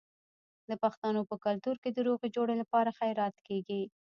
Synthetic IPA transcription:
d̪əpaxt̪anopəkalt̪uɾked̪əɾoɣed͡ʒoɽəlapɑɾaxajɾɑt̪keɡi

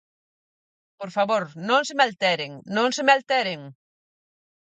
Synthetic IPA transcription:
poɾfaβoɾnõŋs̬emalt̪ɛɾeŋnõŋsemalt̪ɛɾeŋ

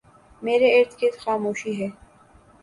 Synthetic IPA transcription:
meːɾeeːɾt̪ʰket̪xaːmoːʃiɦɛː

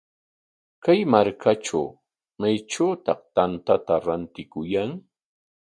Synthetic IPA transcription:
kajmaɾkʰaʈ͡ʂa̰w | majʈ͡ʂawt̪ɑχt̪ant̪at̪aɾant̪ɪkʊjaŋ

